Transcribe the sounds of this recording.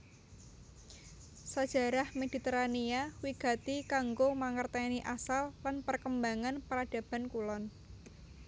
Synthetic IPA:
sad̥ʒ̥ä̤ɾahmed̥i̤t̪eɾaniawiɡ̥a̤t̪ikaŋɡomaŋərt̪aniʔasalːanpərkəmbaŋanpəɾad̥a̤b̥a̤nkulɔn

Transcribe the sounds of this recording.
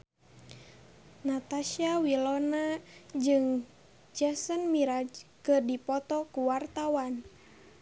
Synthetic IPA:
nat̪aʃiawilɔnad͡ʒɨŋ | d͡ʒasənmiɾad͡ʒkɨrdipɔt̪ɔkuwart̪awan

